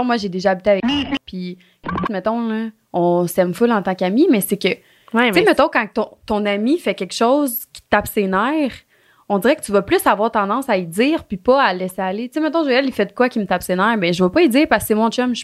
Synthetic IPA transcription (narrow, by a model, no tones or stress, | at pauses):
mwaʒed̪eʒaːbit̪eavɛkipʰi | t̪mɛt̪ɔ̃lʌ | ɔ̃sɛmfʊlɑ̃t̪ɑ̃kamimɛsekə | wɛemɛt̪ɔ̃kɑ̃k̚t̪ɔ̃t̪ɔ̃namifɛkʲɛkʃɔʊzkʲi̥t̪apsenɛːʁ | ɔ̃d̪d͡ziʁɛkətt͡syvɐplʏsavwaːʁt̪ɑ̃d̪ɑ̃said͡ziːʁpipɔalɛsealet͡semɛt̪ɔ̃ʒɛlifɛd̪əkwakʲimət̪apsenɛːʁbɛ̃ʒəvəpɔid͡z̪iːʁpasksemɔ̃t͡ʃɛmʒ